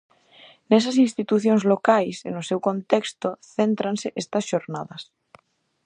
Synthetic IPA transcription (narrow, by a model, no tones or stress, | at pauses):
nes̬as̬inst̪it̪uθjonzlokajsḛnosewkõnt̪ekst̪oθent̪ɾanseʔest̪ɐsʃoɾnaðɐs